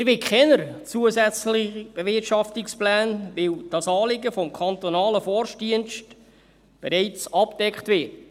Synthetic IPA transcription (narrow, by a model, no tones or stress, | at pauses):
ɪɾbɪkχɛnəɾt͡suəzæt͡slɪχb̥evɪrtʃɑftɪksplæːnvɪwd̥ɑsɑːlɪɡəfɔmkʰɑnt̪ɔnɑːləfɔɾʃdiənʃt | b̥ɛɾɛɪt͡sɑpd̥ɛkχtvɪːt